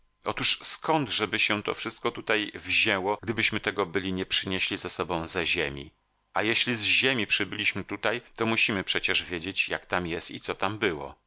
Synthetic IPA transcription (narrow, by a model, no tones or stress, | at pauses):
ɔt̪uʂskɔnd̪ʐɛbɘɕɛt̪ɔ̰fʂɘst̪̚kɔt̪ut̪ajvʑɛwɔɡd̪ɘbɘɕmɘt̪ɛɡɔbɘlʲiɲɛpʂɘɲeɕlʲizasɔbɔ̃w̃zɛʑemʲḭ | ʔajeɕlʲizʑemʲipʂɘbɘlʲiɕmɘt̪ut̪ajt̪ɔmuɕimɘpʂɛt͡ɕɛʐvʲjed͡ʑet͡ɕja̰kt̪amjɛst̪ḭt̪sɔt̪ambɘwɔ̰